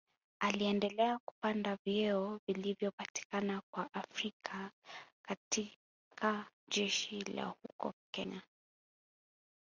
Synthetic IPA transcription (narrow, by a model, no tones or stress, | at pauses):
aliɛndɛlɛaku̥pandavjɛɔvilivjɔpati̥kanakwaʔafɾikʰakati | kʰa | ʄɛʃila̰hukɔ̰kɛɲa